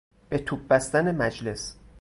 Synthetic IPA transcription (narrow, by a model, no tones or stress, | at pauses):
b̥et̪ʰub̚bæst̪ænemæd͡ʒle̞s